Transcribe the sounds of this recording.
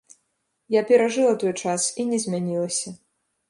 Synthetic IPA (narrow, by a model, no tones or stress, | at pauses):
japʲɛɾaʐɨlˠɐt̪ɔjt͡ʂasinʲɛzʲmʲanʲilˠɐsʲɐ